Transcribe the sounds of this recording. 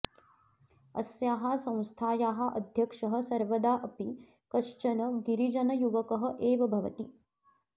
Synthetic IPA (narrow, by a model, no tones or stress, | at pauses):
ɐ̰sjaːɦɐsɐ̃w̃st̪ʰaːjaːɦɐ̆ʔɐ̰d̪ʱjɐkʂɐɦɐ̆sɐɾʋɐd̪aːʔɐpi | kɐʂt͡ʃɐnɐɡiɾid͡ʒɐnɐjuʋɐkɐɦɐ̆ʔeːʋɐbʱɐʋɐ̰t̪i